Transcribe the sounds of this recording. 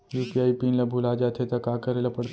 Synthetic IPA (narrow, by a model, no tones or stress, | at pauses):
jupiajpinlabʱulad͡ʑat̪ʰet̪akakəɾalapəɽt̪